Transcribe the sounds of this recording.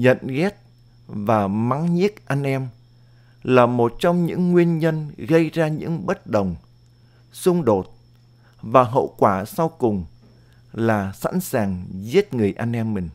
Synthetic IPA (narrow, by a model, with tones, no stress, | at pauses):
ɲə̰˧˨nɣɛ˦˥t̚ | vaː˨˩ma˨˦ŋɲi˦˥ək̚ʔa˧jŋ̟ʔɛ˧m | laː˨˩mo˨˩t̚t͡ɕɔ˧wŋ͡mɲɨ̰˧˥ŋːwi˧ənɲə˧nɣə˧jzaː˧ɲɨ̰˧˥ŋɓə˦˥t̚ɗə˨˩wŋ͡m | sʊ˧ŋ͡mɗo˨˩t̚ | vaː˨˩ɦə̰˧˨wkwaː˧˩sa˧wkʊ˨˩ŋ͡m | laː˨˩sa̰˧˥nsaː˨˩ŋzi˦˥ət̚ŋɨ˨˩əjʔa˧jŋ̟ʔɛ˧mːï˨˩ŋ̟